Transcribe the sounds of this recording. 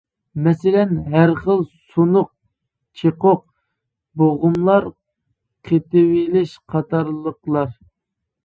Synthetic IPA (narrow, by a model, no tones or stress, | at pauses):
mɛsɪlɛnɦæɾχəlˠsunʊq̚ | t͡ʃʰeqʊq̚ | boʁʊmlˠɑɾ | qʰet̪ɪwelɪʃqʰɑt̪ʰɑɾlˠəqlˠɑɾ